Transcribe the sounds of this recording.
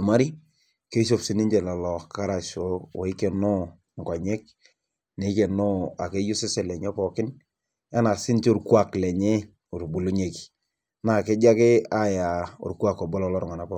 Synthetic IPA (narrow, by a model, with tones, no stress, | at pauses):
u˨ma˦ɾi˦ | ke˦ʃo˦˨psi˨˦ni˦ɲd͡ʒɛ˨la˨lɔ˨ka˦ɾa˨so˦wɔ˨˦ke˨nɔ˦ | ŋka˨ɲɛ˦k̚ | ne˨˦kɛ˨nɔ˦a˨ke˦jʊ˦sɪ˦sɛ˨lɛ˨ɲ˦ɔ˦pɔ˨kɪ˦n | a˦na˨sɪ˦nt͡ʃʊ˨ɾku˦a˨klɛ˨ɲe˦ | u˨ɾbu˨lu˦ɲe˨ki̥˨ | na˨ke˦d͡ʒa˦kɪ˦a˦ja˨ʊ̰˨ɾku˦a˨kɔ˨bɔ˦lɔ˦˨lɔ˦ɾɔ˦ŋɔ˨na˨˦pɔ˦